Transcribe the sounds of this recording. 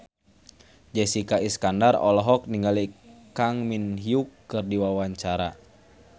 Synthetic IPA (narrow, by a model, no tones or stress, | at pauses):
d͡ʒɛsikaiskandarɔ̰lɔɦɔk̚niŋɡalikaŋminɦiukːɨrdiwawaɲt͡ʃaɾa